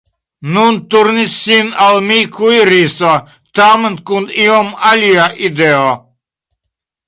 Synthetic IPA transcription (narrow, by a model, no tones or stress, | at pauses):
nunt̪uɾnisinalˠmikʰujɾiːsa | t̪aːmənt̪̚kund̪ijɔmalʲijaʔid̪ɛɔ